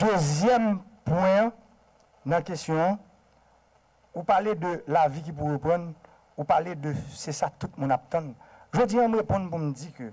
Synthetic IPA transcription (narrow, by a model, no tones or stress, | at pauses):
d̪øzjɛmpwɛ̃ | nãkesjɔ̃ | upaled̪ølavik̬ip̬uʁəpʁʌ̃n | upaled̪øsesat̪ut̪̚mũnap̚t̪ʌ̃n | ʒod͡zijãmɣepɔ̃npumd͡zikø